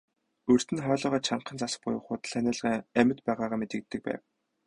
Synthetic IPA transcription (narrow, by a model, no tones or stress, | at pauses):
ɵr̥t̪ɘ̆nχœːɮɔːʁɔːt͡ɕʰaɴqə̆nt͡sasə̥̆χ̚pʊ̰jə̆χʊːt̪̆ɮænæːɮʁæmʲɪ̆t̪pæːʁaːʁaːmet̪ɘ̆kt̪ːɘ̆k̚pæ̰ːw